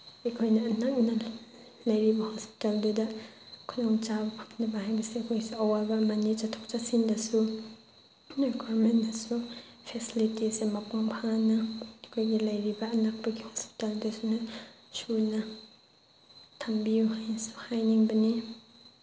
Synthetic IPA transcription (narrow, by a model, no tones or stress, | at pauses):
ikʰɔjnaːnak̚na | lajɾibahɔspi̥talduda | kʰɔnɔŋt͡ʃabapʰḁpʰndabahajbɐsekʰɔjsuawalbamanit͡ʃatʰɔk̚t͡ʃasindasu | neɡuaɾmɛnnasu | pʰɛsilitisemapuŋpʰanakʰɔjɡilajɾibaːnak̚b̥aɡihɔspi̥taldasuna | suna | tʰambiuhajnasu̥hajniŋbani